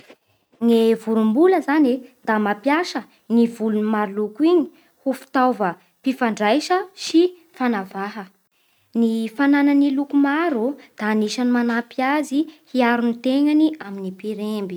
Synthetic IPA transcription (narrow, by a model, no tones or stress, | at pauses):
ŋevuɾumbuləzanid̪̥amapjaʃə | nivulunimaɾulukuiɲi̥ | hufi̥t̪awvə | pifaɳɖ͡ʐajʃəʃi | fanavaɦə | nifanananilukumaɾud̪̥aːniʃanimanapiazihiaɾunit̪eŋaniaminipiɾembi